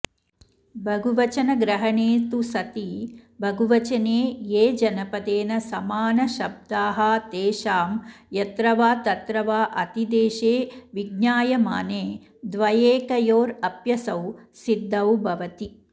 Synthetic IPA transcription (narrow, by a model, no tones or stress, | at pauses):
bʱɐɡʱuʋɐt͡ʃɐnɐɡɾɐɦɐɳeːt̪usɐt̪ibʱɐɡuʋɐt͡ʃɐneːjeːd͡ʒɐnɐpɐd̪eːnɐsɐmaːnɐʃɐb̚d̪aːɦɐt̪eːʃaːmjɐt̪ɾɐʋaːt̪ɐt̪ɾɐʋaːʔɐt̪id̪eːʃeːʋiɡnaːjɐma̰ːneː | d̪ʋɐjeːkɐjoːɾɐpjɐsɐwsid̪ːɐwbʱɐʋɐt̪i